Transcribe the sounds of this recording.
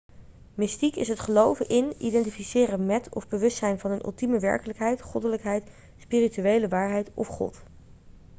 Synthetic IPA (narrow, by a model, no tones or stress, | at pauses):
mɪstikɪ̰sɦətχəlowvənʔɪnidɛntifisɪːrəmɛtʰɔ̰vbəʋɵstsɛjnvɑnənʔʏ̰lˠtiməʋɛ̰ɹkələkɦɛjtχɔdələkɦɛjt | spiːrityejləʋaːɹɦɛjtɔ̰fχɔ̰t